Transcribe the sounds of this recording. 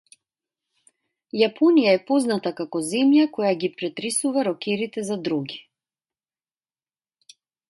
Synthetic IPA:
japʰɔnijaɛpɔznat̪akakɔzɛmjakɔjaɡipɾɛt̪ɾɛsuvaɾɔkɛɾit̪ɛzad̪ɾuɡi

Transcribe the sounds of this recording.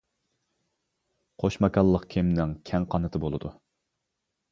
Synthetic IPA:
qʰoʃmɑkʰɑlˠːəqkʲʰemnɪŋkʲʰɛŋqʰɑnɨt̪ʰɨbolˠɨ̰d̪u

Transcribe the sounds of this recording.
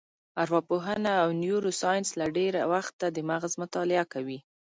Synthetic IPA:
aɾwɑpoɦənaːwnjuɾosɑjɪnslaɖeɾawaxt̪ːad̪əmaɣzmʊt̪ɑlɪakawi

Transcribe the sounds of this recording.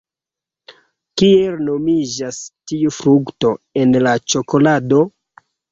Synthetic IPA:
kielno̞mid͡ʒastiufɾukto̞e̞nlat͡ʃo̞ko̞lado̞

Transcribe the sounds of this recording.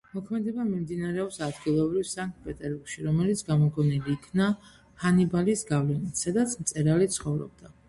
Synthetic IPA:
mɔkʰmɛd̪ɛbamimd̪inaɾɛɔpsad̪ɡilˠɔbɾivsaŋk̚t̪̚pʼɛt̪ʼɛɾbuɾɡ̥ʃiɾɔmɛlit̪sʰɡamɔɡʼɔniliːkʰna | hanibalisɡavlɛnit̪ʰsad̪at̪sʰmt̪sʼɛɾalit̪sʰχɔvɾɔ̰b̚d̪a

